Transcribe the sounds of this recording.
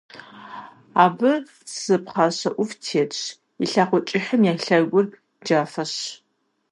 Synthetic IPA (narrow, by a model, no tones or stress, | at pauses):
aːbɨ | sɨp̚χɑːɕɐʔʷʊftʰeːtt͡ʃ | iɬaːqʷɔt͡ʃʼɪħɐmjaːɬɐrɡʷʊrp | d͡ʒaːfɐɕ